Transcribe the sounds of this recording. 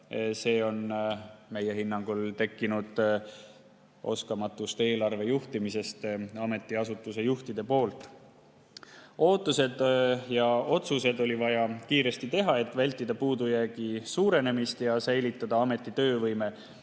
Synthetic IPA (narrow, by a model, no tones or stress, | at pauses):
se̞ːo̞nme̞je̞hinːɑŋɡ̥ult̪e̞kˑːinud̪̥ | ʔo̞̰skɑmɑt̪ːˑust̪e̞ːlɑrve̞juht̪imise̞st̪ɑme̞t̪ːˑiɑsut̪ːˑuse̞juht̪id̪̥e̞po̞ːlt̪ˑ | o̞ːt̪ˑːuse̞d̪jɑo̞t̪suse̞d̪o̞lʲivɑjɑkiːɾe̞st̪it̪e̞ɦɑe̞t̪ːˑvælʲt̪ːˑid̪ɑpuːd̪ujæːɡ̥isuːɾe̞ne̞mist̪jɑsæjlit̪ːˑɑd̪̥ɑɑme̞t̪ˑːit̪ø̞ːvɤjme̞